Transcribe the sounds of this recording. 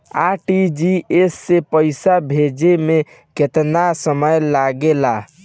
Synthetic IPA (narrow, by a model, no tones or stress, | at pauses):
aʈid͡ʒiesːepəɪsabʱed͡ʒeme | ket̪nasəməjlaɡela